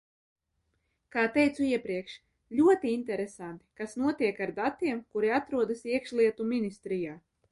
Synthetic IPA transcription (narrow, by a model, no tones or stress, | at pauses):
kaːt̪ɛjt̪suiɛpɾiɛkʃ | lʲuɔt̪iint̪ɛɾesant̪i̥kasnuɔt̪iɛkaɾd̪at̪iɛmkuɾiat̪ɾuɔd̪asiɛkʃlˠiɛt̪uminist̪ɾijaː